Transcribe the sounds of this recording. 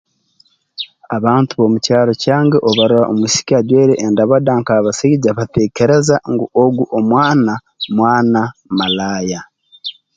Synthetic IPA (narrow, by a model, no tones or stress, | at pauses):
aβaːntuβo̞mucaːɾo̞caːŋɡeʔoβaɾuɾaʔomusi̥kaɟwe̞ːɾeʔːndaβadaŋkaːβaseiɟaβate̞ːce̞ɾezaŋɡuʔoɡuʔomwaːna | mwaːnamalaːja